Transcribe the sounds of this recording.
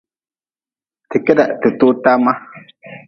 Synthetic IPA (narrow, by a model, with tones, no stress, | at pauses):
tɪ˨kɛ˦da˨tɪ˨to˦ta˦ma˦